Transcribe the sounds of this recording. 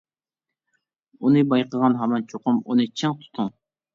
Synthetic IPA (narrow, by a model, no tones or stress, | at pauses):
unɨbɑjqəʁɑnɦɑmɑnt͡ʃʰoqʊmunɨt͡ʃʰɪŋt̪ʰu̥t̪ʰʊŋ